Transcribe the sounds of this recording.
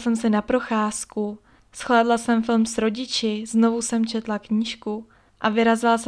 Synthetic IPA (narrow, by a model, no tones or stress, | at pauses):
sɛmsɪnapɾo̞xaːsku | sxlaːdlasɛmfɪlmsɾo̞ɟɪt͡ʃɪzno̞vusɛmt͡ʃɛt̪lakɲiːʃku | ʔavɪɾazals